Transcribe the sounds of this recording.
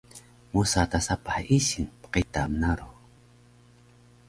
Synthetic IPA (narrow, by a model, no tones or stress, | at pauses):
musat̪asapaħisinpqit̪amnaɾu